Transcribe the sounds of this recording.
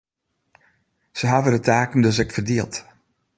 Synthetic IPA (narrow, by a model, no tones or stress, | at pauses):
səɦavədətʰaːkən̩døs̬ɛktfərdiəlˠt